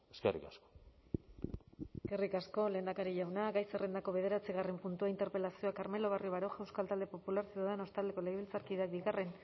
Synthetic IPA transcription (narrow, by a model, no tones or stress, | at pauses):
eskerḭkasko̥ | ske̞rikasko̞le̞ːnd̪akaɾiʝawnaɣajsere̞nd̪ako̞β̞e̞ðe̞ɾat͡siɣare̞mpunt̪uaint̪e̞ɾpe̞lasio̞akaɾme̞lo̞β̞ario̞βaɾo̞ʝaewskalt̪ald̪e̞po̞pulaɾsioðeno̞st̪ald̪e̞ko̞lejβilt͡saɾkiðeak̚biɣare̞n